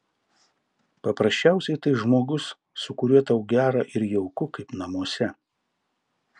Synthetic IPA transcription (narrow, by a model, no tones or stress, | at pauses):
pɐpɾɐsʲt͡ʃʲæˑʊsʲɛɪt̪ɐɪʒmoːɡʊsː | ʊkʊɾʲuɛt̪ɐʊɡʲæːɾɑːʔɪɾjɛʊkʊkɐɪpnɐmuɔsʲɛ